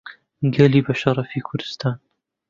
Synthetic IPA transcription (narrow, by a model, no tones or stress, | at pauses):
ɡɐliːbɐʃɐɾˤɑfiːkʰʊɾd̪̥ɨ̥st̪aːn